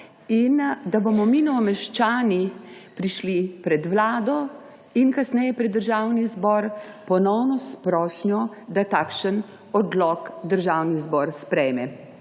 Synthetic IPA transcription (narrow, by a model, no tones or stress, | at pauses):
ind̪abɔmɔminɔɔmɛʃt͡ʃaːnipɾiʃlipɾɛd̪ʋlaːd̪ɔ | inkasnɛjɛpɾɛd̪ːəɾʒawnizbɔːɾpɔnɔwnɔspɾɔːʃnjɔd̪at̪aːkʃən | ɔd̪lɔkd̪əɾʒaːwnizbɔɾspɾɛjmɛ